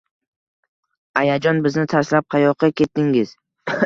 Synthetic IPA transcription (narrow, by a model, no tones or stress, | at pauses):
ajad͡ʒɒnbɪznɪt̪ʰaɾslap̚qʰɑjɒqʰːɑkʲʰe̞t̪ːɪŋɪz̥